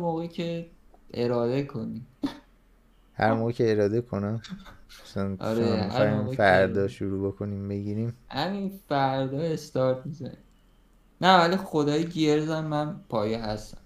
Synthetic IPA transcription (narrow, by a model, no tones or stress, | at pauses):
moːɣecʰeʔe̞ɾɒːd̪e̞kʰo̞nim | hæ̰ɾmoːɣecʰeeɾɒːd̪ekʰo̞næmt͡ʃonʔɒ̰ɾehæ̰mfæɾd̪ɒːʃuɾuːbokʰo̞nimbeɡiːɾiːmhæminfæɾd̪ɒːe̞st̪ɒɾt̪mizæ̰ni | nævælixod̪ɒːjeɟieɾzæmːænpʰɒːjeɦæst̪æ̥̰m